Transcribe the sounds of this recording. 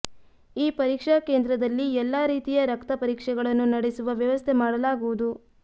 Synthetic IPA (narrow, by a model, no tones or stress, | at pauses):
iːpɐɾiːkʂɐkeːnd̪ɾɐd̪ɐlːiɛlːaːɾiːt̪ijɐɾɐkt̪ɐpɐɾiːkʂɛɡɐɭɐnːunɐɽesuʋɐʋjɐʋɐst̪ʰemaːɽɐlaːɡuʋud̪u